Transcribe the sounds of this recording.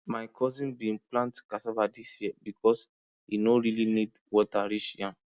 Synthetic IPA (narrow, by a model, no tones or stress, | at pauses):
maɪkʰɔzĩnbĩnplãntkasɔvadisjiɛbikɔs | inoɹilinid | wɔtaɹiʃjã